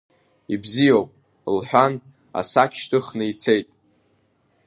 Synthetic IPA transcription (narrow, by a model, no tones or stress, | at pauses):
ibzijowpʼ | lħʷᶣan | a̰sakʲʰʃtʰɨχnɨit͡sʰejtʼ